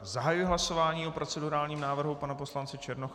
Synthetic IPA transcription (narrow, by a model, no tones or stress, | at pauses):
zaɦajujɛɦlaso̞vaːɲiːopɾo̞t͡sɛduɾaːlɲiːmnaːvr̩ɦupanapo̞slant͡sɪt͡ʃɛɾnox